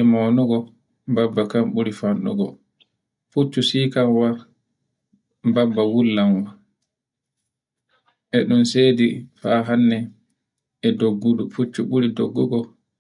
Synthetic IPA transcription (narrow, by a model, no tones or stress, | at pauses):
imɔnuɡɔ | mbabːakamɓuɾifanɗɔ̰ɡɔ̰ | fut͡ʃːusiːkamwa | mbabːawulːanwa | ʔɛɗunseːdifaɦanːɛ | ɛdoɡːudufut͡ʃːuɓuɾidoɡːuɡɔ